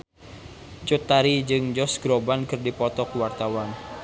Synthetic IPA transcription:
t͡ʃut̪aɾid͡ʒɨŋd͡ʒɔsɡ̥ɾobankɨrdipɔt̪ɔkwart̪awan

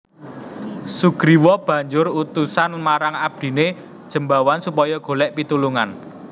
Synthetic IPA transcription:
suɡ̥ɾiwɔb̥a̤ɲd͡ʒʊɾut̪usanmaɾaŋab̚d̪̥i̤ne | d̥ʒ̥ə̤mbawansupɔjɔɡ̥o̤lɛʔpit̪uluŋan

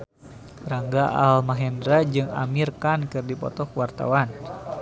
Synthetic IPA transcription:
ɾaŋɡaʔalmaɦɛndɾad͡ʒɨŋa̰mirkankɨrdipɔ̰t̪ɔkwart̪a̰wan

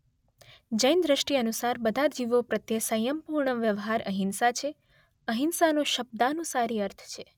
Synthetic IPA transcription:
d͡ʒəjnd̪ɾəʃʈiənusaɾbəd̪ʱaɾd͡ʒiʋopɾət̪jesəjəmpuɾɳəʋjəʋɦaɾəɦinsat͡ʃʰe | əɦinsanoʃəb̚d̪anũsaɾiəɾt̪ʰt͡ʃʰe

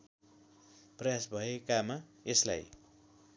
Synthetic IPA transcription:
prʌjasbʱʌekamaesla̰j

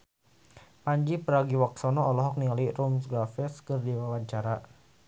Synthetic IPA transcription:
paɲd͡ʒipəɾaɡiwak̚sɔnɔɔlɔɦɔk̚nialirumsɡɾafɛskərdiwawaɲt͡ʃaɾa

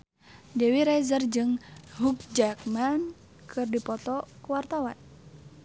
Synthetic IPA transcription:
dɛwiɾajzərd͡ʒɨŋɦuk̚d͡ʒakman | kʰɨrdipɔt̪ɔkuwart̪awan

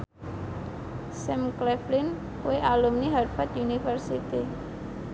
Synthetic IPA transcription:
sɛmklɛflɪn | kueʔalumniɦarfat̪unifərsit̪i

